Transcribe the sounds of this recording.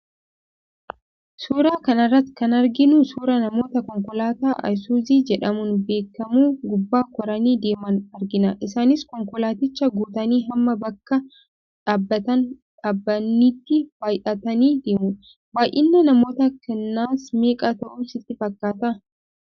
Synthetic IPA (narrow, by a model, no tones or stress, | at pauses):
suːɾaːkɐnɐrːɐt̪kɐnɐɾɡɪnʊsuːɾɐnɐmo̞ːt̪ɐkɔŋkɔlaːt̪aːʔɐ̰jsuːziːd͡ʒɛᶑɐmʊnbe̞ːkːɐmuːɡʊbːaːkɔɾɐniːd̪e̞ːmɐnɐɾɡɪnɐʔɪsaːnɪskɔŋkɔlaːt̪ɪt͡ʃːɐɡuːt̪ɐniːɦɐmːɐbɐkːɐ | ᶑaːbːɐt̪ɐnᶑaːbːɐnːiːt̪ːɪb̥aːjʔɐt̪ɐniːd̪eːmʊ | baːjʔɪnːɐnɐmo̞ːt̪ɐkɛnːaːsme̞ːkʼaːt̪ɐʔʊːnsɪt̪ːɪfɐkːaːt̪ɐ